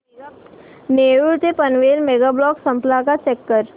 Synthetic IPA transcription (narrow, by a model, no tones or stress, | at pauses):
neːɾuɾt̪epənʋeːlmeːɡablɔːksɐ̃mplakat͡ʃɛkːəɾ